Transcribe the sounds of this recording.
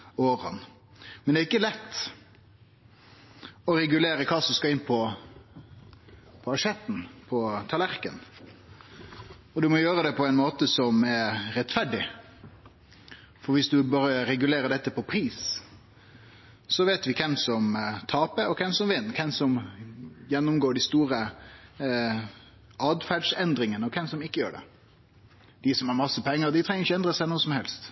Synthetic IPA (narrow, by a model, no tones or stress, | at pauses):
oːɾɑ̰n | mɛnd̪ɛɪkːəlɛt̪ː | ɔɾɛɡʉleːɾəkʰɑːsɔmskɑɪnːpʰɔ | pʰɔɑʂɛt̪ːn̩pʰɔt̪ʰɑlæɾkən | ɔd̪ʉmɔjøːɾəd̪ɛpʰɔɛɪnmoːt̪əsɔmɛɾɛt̪ːfæɖɪ | fɔɾʋɪsd̪ʉbɑːɾəɾɛɡʉleːɾəɖɛt̪ːəpʰɔpʰɾiːs | sɔʋeːt̪ʋɪkʰɛmsɔmt̪ʰɑːpəɔkʰɛmsɔmʋɪnːkʰɛmsɔm | jɛnːʊmɡoːɖɪst̪uːɾə | ʔɑːd̪fæɖʂɛnd̪ɾɪŋənəɔkʰɛmsɔmɪkːəjøːɖɛ̰ | d̪̥ɪsɔmhɑɾmɑsːəpʰɛŋːəɾd̪ɪt̪ʰɾɛŋːəɾɪçəɛnd̪ɾəsæɪnuːəsɔmhɛlst̪